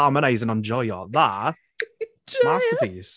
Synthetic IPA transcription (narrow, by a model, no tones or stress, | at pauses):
aɪməneɪzə̃nãɪ̃md͡ʒɔjɔ̰ðaʔ | mastəpiːs